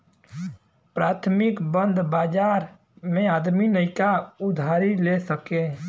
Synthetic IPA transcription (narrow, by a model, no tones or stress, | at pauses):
pɾaːt̪ʰmɪkbə̃nd̪ʱbaːd͡ʒaːɾ | mẽaːd̪minəɪkaʊd̪ʱaːɾilesəke